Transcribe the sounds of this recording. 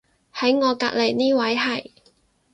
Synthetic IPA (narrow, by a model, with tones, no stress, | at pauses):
hɐ˨˥jŋɔː˨˧kaː˧k̚le˨˩jniː˥wɐ˨˥jɦɐ˨˩j